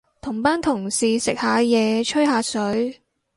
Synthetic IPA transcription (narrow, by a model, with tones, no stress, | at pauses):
t̪ʰʊ˨˩ŋpaː˥nt̪ʰʊ˨˩ŋsiː˨sɪ˨k̚haː˨˥jɛː˨˧t͡ʃʰɵ˥ɥhaː˨˧sɵ˨˥ɥ